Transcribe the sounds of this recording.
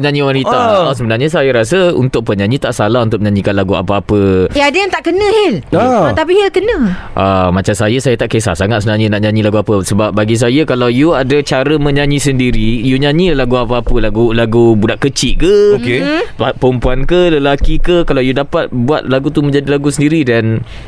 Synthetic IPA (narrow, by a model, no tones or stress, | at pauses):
əɲãɲĩwanit̪as̬əbənarɲas̬ajaɾas̬əṵnt̪ʊk̚pəɲãɲĩt̪aʔsalaɦunt̪ʊk̚məɲãɲĩkanlaɡua̰pəapəadajaŋt̪aʔkənə̃hɛlat̪apiəkənə̃ʔamat͡ʃamsajəsajat̪aʔkesa̰saŋat̪̚səbənarɲənaʔɲãɲĩlaɡuapəsəbap̚baɡis̬ajakalawjuadat͡ʃaɾəmə̃ɲãɲĩsəndiɾijuɲãɲĩlaɡuapaːpəlaɡulaɡubudaʔkət͡ʃiʔ̚kəokeapəɾəmpuankələlakikəkalawjudapat̪̚bua̰t̪̚laɡut̪umə̃ɲd͡ʒadilaɡusəndiɾidan